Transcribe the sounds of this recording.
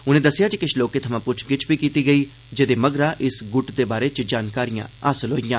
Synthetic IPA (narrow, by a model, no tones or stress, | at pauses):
ʊnẽːd̪əsːɪjaːd͡ʒikɪʃʰloːkeːt̪ʰəmãːpʊt͡ʃʰɡɪt͡ʃʰbiːkiːt̪iːɡəiː | d͡ʒed̪eːməɡɾaːʔɪsɡʊʈd̪eːbaːɾeːt͡ʃd͡ʒaːnkaːɾijã̰ːaːsəlɦoːijãː